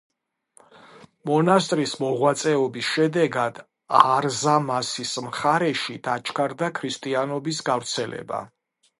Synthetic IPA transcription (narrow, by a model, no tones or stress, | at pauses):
mɔnast̪ʼɾismɔʁwat̪sʼɛɔbisʃɛd̪ɛɡad̪ | aɾzamasismχaɾɛʃid̪̥at͡ʃʰkʰaɾd̪akʰɾist̪ʼianɔbis̬ɡavɾt̪sʰɛlɛ̰ba̰